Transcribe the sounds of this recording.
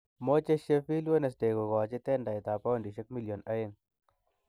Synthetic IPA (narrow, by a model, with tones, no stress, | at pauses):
mo˦t͡ʃe˦ʃe˦pi˦lwe˦ne˨s̬de˨ko˨kɔ˨t͡ʃɪ˦tɛ˦nda˨ɪ˨t̪a˨pa˦o˦ndi˨ʃe˦k̚mi˦ljo˨na˦ɪ˦n